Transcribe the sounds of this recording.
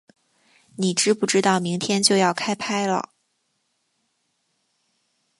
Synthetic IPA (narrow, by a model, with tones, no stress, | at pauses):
ni˨˩ʈ͡ʂɻ̩˥pu˥˩ʈ͡ʂɻ̩˥t̪ɑ˥˩ʊmi˧˥ŋt̪ʰjɛ˥nt͡ɕjo˥˧ʊjɑ˥˩ʊkʰa˥ɪpʰa˥ɪlə̰˨